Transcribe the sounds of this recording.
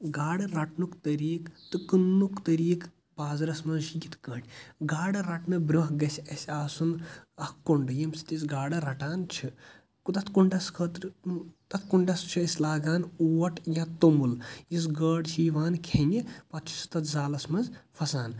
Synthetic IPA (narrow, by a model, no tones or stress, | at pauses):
ɡaːɽɐɾɐʈnukt̪ɐɾiːkt̪ɨkɨnːukt̪ɐɾiːk | baːzɾɐsmɐzt͡ʃjit̪ʰkɐʈʰʲɡaːɽɐɾɐʈnɨbɾuɦɡɐsʲɐsʲaːsunɐhkuɳɖɨjɐmsi̥t̪isɡaːɽɐɾɐʈaːnt͡ʃʰi | kt̪ɐt̪ʰkuɳɖɐskʰɐt̪ɾt̪ɐt̪̚ʰkuɳɖɐst͡ʃʰiisʲlaːɡaːnuːʋɐʈjat̪omuljis̬ɡɐːɽʃiːʋaːnkʰenipɐt̪t͡ʃʰi̥st̪ɐt̪ʰzaːlɐsmɐnzpʰɐsaːn